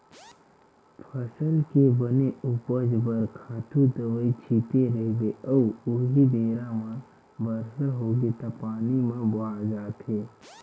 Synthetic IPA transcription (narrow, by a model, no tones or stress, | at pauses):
pʰəsəlkebəneʊpəd͡ʒbəɾkʰaːt̪ʰud̪əʋəit͡ʃʰiːt̪eɾəɦɡeɔːʊɦid̪eːɾãmã | bəɾsəɦoːɡet̪apaːnimẽbad͡ʒaːt̪eː